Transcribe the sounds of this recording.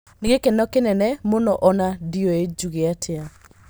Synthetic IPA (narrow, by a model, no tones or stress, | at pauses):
neɣekɛnɔkenɛnɛmonɔʔɔnadiɔed͡ʒuɣeatʰea